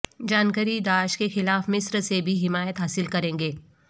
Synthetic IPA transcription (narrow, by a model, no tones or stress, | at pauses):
d͡ʒaːnkəɾid̪aːʃkexɪlaːfmɪsɾsebʱiɦɪmaːjət̪ɦaːsɪlkɐɾẽːŋɡeː